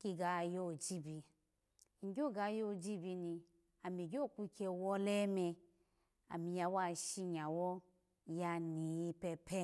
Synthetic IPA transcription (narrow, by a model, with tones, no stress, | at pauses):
ki˧ɡa˨jo˦˨d͡ʒi˦bi˧ | ŋ̩˨ɡʲo˦˨ɡa˧˦jo˦˨d͡ʒi˦bi˧ni˧ | a˨mi˨ɡʲo˦˨ku˦kʰʲe˧wɔ˦le˦me˧ | a̰˨mi˨ja˧wa˦ʃi˧ɲa˨wɔ˦ | ja˧ni˨ji˧pe˧pʰe˦